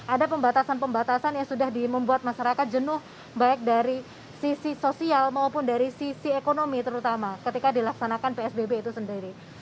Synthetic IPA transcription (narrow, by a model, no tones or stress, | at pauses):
ʔadapəmbat̪asanpəmbat̪asanjaŋsudahdiməmbuat̪̚maʃaɾakat̪̚d͡ʒənʊh | baɪk̚daɾi | sisisosialmaupʊndaɾisisiekonomit̪əɾut̪amakət̪ikadilaksanakanpeɛsbebeit̪usəndiɾi